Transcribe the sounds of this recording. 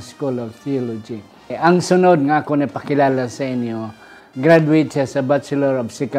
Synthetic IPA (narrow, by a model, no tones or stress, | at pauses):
skulɔvθiɔlɔd͡ʒi | aŋsʊnʊd̪̚ŋaːkonapakɪlalasainjo | ɡɾad̪uit̪sasabat͡ʃɛlɔɾɔbsika